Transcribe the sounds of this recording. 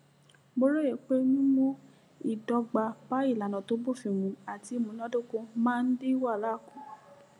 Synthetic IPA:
bo˦ɾo˦e˨k͡pe˦nĩ˦mõ˦ | i˨dɔ˧ɡ͡ba˧ba˨˦i˦˨la˨nã˨to˨˦bo˦˨fĩ˨mũ˨a˨ti˨˧˦mũ˨˦nã˦do˦ko˧mãː˦n̩˦de˦wa˦˨la˨˦˨kũ˨˦

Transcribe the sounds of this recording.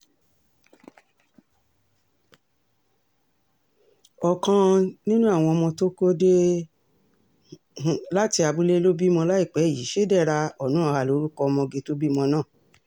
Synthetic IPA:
ɔ˧kã˧nĩ˦nũ˦a˦˨w̃ɔ̃˧mɔ̃˧to˦ko˦de˦˨ | la˦ti˧a˧bu˦le˦lo˦bi˦mɔ̃˧la˦i˦˨k͡pɛ˨˦˨i˨˦ʃe˦dɛ˦˨ɾa˧ɔ˦˨nũ˨˦a˨˧˨ha˧˨lo˨˦ɾu˦kɔ˧mɔ̃˧ɡe˧to˦bi˦mɔ̃˧nãː˦˨

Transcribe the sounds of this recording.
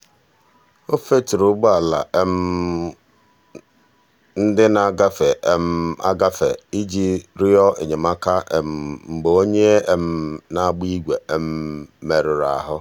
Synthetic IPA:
o˦fe˦tɪ˨ɾʊ˨˦ɡ͡ba˨la̰˨e˦m̩˦ | n̩˦dɪ˦na˦˨ɡa˦fe˨e˦m̩˦a̰˦ɡa˦fe˨i˦d͡ʒi˦ɾɪ˦ɔ˦ʔḛ˨ɲe˨ma˦ka˦e˨m̩˨m̩˨ɡ͡bo˨o˦ɲe˦e˦m̩˦na˦ɡ͡bi˦ɡʷe˨e˦m̩˦me˨ɾʊ˨ɾa̰˨ɦʊ˦

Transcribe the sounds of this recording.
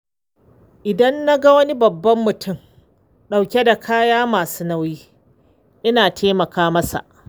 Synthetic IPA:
ʔɪ˨dɐ˦nːa˦ɡa˦wɐ˦ni˦bɐ˨bːɐ˦mːʊ˨tʰʊ˦˨m | ɗa˨wkʲe˦da˨kʰaː˦jaː˦maː˨suː˦na˦wjiː˦ | ʔɪ˦naː˨tʰeː˦mɐ˨kaː˦mɐ˦sa̰˨ʔ

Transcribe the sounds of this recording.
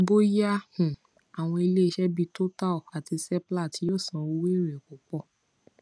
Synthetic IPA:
bo˦ja˦hũ˨ | a˨w̃ɔ̃˧i˧le˦i˧ʃɛ˦bi˧to˦ta˦˨a˨ti˧sɛ˦pla˦˨ti˧˦jo˦˨sã˨o˧˦we˦˨ɾɛ˨ko˨k͡pɔ˦˨

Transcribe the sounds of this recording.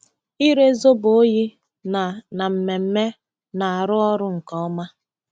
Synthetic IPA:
i˦ɾe˦zo˦bo˦ji˦ | na˨na˨m̩˨me˨m̩˦me˦ | na˨a˨ɾʊ˦ɔ˦ɾʊ˦ŋ̩˨kɔ˦ɔ˦ma˦

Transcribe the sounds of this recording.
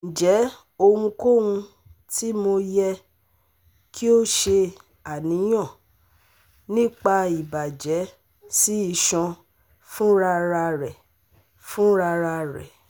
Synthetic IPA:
n̩˨d͡ʒɛ˨˦ | o˧wũ˧ko˦wũ˧ | ti˦mo˧jɛ˧ | kʰi˦o˦ʃe˧ | a˨nĩ˨˦j̃ɔ̃˦˨ | nĩ˦k͡pa˧i˨ba˨d͡ʒɛ˨˦ | si˦i˦˧˨ʃɔ̃˧ | fũ˦ɾa˧ɾa˧ɾɛ˨ | fũ˦ɾa˧ɾa˧ɾɛ̰˨

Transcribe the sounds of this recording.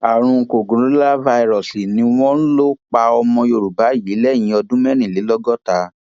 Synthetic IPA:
a˨ɾ̃ũ˧˨ko˨ɡũ˨ɾũ˨˦la˦va˧i˧ɾɔ˨si˨nĩ˧˦w̃ɔ̃˦n̩˦lo˦k͡pa˧ɔ˧mɔ̃˧jo˧˨ɾu˨ba˨˦˨ji˨˦lɛ˦˨j̃ĩ˨˧˦ɔ˧dũ˦mɛ˦ɾ̃ĩ˦˨le˨˦lɔ˦ɡɔ˦ta˧

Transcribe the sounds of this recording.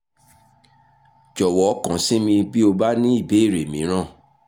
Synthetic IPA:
d͡ʒɔ˨wɔ˨˦kã˨˦sĩ˦mĩ˧bi˦o˧ba˦nĩ˦i˦˨be˨˦i˦˨ɾe˨mĩ˨˦ɾ̃ã˦˨

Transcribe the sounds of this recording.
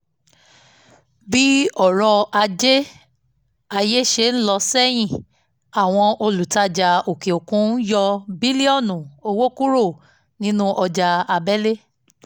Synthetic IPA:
bi˦ɔ˦˨ɾɔ˧a˧d͡ʒe˦ | a˧je˦ʃe˧˨n̩˦lɔ˧sɛ˦j̃ĩ˦˨ | a˨w̃ɔ̃˧o˧lu˨ta˧˦d͡ʒa˨˧o˨ke˨o˨kũ˨˦n˦jɔ˧bi˦li˦ɔ˦˨nũ˨o˧wo˦ku˦ɾo˦˨ | nĩ˦nũ˦ʔɔ˧d͡ʒa˧a˧bɛ˦le˦

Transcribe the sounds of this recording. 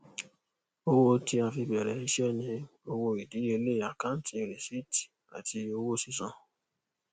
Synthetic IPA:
o˧wo˦ti˧ã˧fi˧bɛ˨ɾɛ˨˦i˧ʃɛ˦nĩ˧o˧wo˧i˨di˨˦e˧le˦˨a˨kã˦n˦ti˧˨ɾĩ˨si˦ti̥˨ | a̰˨ti˧o˧wo˦si˧sã˧˨

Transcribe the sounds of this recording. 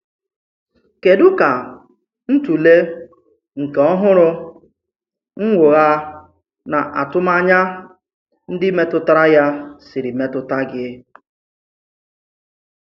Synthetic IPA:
ke˨dʊ˦ka˨ | n̩˦tu˨le˦ | ŋ̩˨ke˨ɔ˦ɦʊ˦ɾʊ˦ | ŋ̩˦ŋʷʊ˨ɣa˦ | na˨ʔa̰˨tʊ˦ma˦ɲa˦ | n̩˦dɪ˦me˦tʊ˦ta˦ɾa˦ja˦sɪ˨ɾi˨me˦tʊ˦ta˦ɡɪ˦

